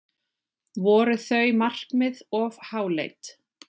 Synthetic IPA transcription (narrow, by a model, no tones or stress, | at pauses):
vɔːɾʏθœɥmar̥kmɪðɔvhaːwlḛjt̪